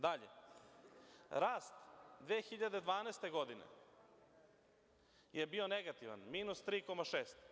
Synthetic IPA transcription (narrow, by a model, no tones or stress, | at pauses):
d̪aʎḛ | ɾaːst̪d̪ʋeːxiʎad̪ed̪ʋaːneːst̪eɡo̞d̪inḛ | je̞bio̞neɡat̪iʋa̰nmiːnust̪ɾiːkomaʃeːst̪